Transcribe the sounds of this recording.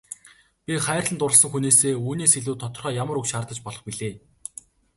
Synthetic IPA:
pʲiχæːrʲɮə̆nt̪ʊɾə̆sə̆ŋxuneːseːuːniːseɮuːt̪ʰːɔt̪ɞ̆rχœːjamə̆ɾukʃaːrt̪ə̆t͡ɕpɔɮɞ̆χpiɮeː

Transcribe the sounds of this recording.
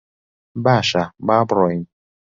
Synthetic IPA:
baʃababɾɔin

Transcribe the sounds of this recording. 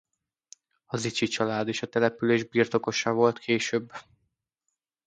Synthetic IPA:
ɒzit͡ʃit͡ʃɒlaːd̪eːʃɒt̪ɛlɛpyleːʒbirt̪o̞ko̞ʃɒvo̞lt̪kʰeːʃøːbː

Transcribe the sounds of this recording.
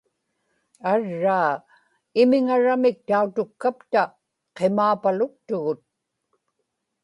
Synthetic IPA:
aɻːaː | ɪmɪŋaɻamɪk̚t̪aut̪ʊkːapt̪a | qemaːpalʊk̚t̪ʊɣʊt̪̚

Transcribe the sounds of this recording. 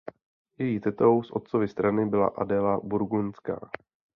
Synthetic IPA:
jɛjit̪ɛt̪o̞wsʔo̞̰t̪̚t͡sovɪst̪ɾanɪbɪla̰ʔadɛlabuɾɡunska̰ː

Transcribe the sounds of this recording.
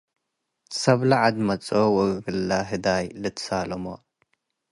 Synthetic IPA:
sɐβlaʕad̪mɐt͡sʼowɐɡɨlːaɦɨd̪ajlɨt̪ʰsalɐmo

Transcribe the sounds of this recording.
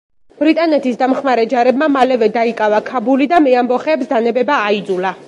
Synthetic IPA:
b̥ɾit̪ʼanɛt̪ʰisd̪amχmaɾɛd͡ʒaɾɛbmamalɛvɛd̪aikʼavakʰabulid̪amɛambɔχɛːpsd̪anɛbɛbaːid̪zula

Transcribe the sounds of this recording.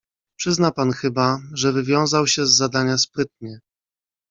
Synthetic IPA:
pʂɘznapanxɘbaʐɛvɘvʲjɔ̃w̃zawɕɛzːad̪aɲaspɾɘt̪̚ɲɛ

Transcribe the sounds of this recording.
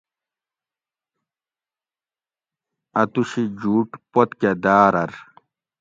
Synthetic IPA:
ɐt̪uɕid͡ʑuːʈpot̪ked̪aːɾɐɾ

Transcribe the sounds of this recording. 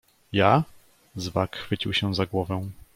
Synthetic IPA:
ja | zvakxfɘt͡ɕiwɕɛ̃zaɡwɔvɛ̃

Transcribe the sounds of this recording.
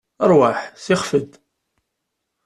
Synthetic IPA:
əɾˤwaħsɪχfəd̪

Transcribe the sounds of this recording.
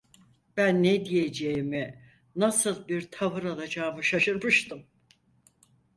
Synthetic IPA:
b̥ænːed̪ijed͡ʒejimi | nasɯlˠbiɾt̪ʰavɯɾalˠad͡ʒaːmɯʃaʃɯɾmɯʃt̪ɯm

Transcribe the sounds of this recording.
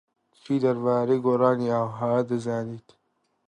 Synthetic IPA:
t͡ʃʰiːd̪ɐɾbaːɾejɡoːɾɑːniawɦaːd̪ɨzaːniːt̪

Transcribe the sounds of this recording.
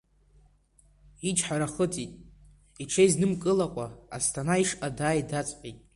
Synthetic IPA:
it͡ʃʰʼħaɾaχətʼitʼ | iʈ͡ʂʰeiznɨmkʼɨlakʷʼaa̰stʰanaiʂadaːjdat͡sʼqʲʼitʼ

